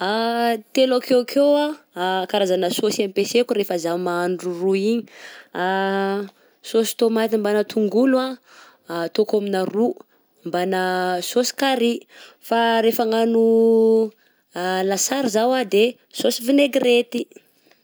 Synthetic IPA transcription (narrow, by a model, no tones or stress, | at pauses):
at̪elakekʰea | kaɾazanəsosiamipesekuɾefəzamaaɳɖ͡ʐuruiɲi̥a | sosi̥t̪omat̪imbanət̪ʰuŋɡulua | t̪okaminaru | mbanəsosi̥kaɾi | faɾefaŋanu | lasaɾizawad̪e | sosivineɡiret̪i̥